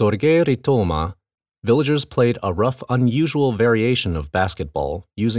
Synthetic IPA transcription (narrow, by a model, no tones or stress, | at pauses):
sɔɾɡeɾitʰoma̰ | vɪlˠəd͡ʒə˞z̥pʰl̥eɪɾəɹʌfə̃njʉʒəl̩ˠvɛɹieɪʃɨ̃nʌvbæskɨt̚b̥ɔ̰lˠjʉzɪ̃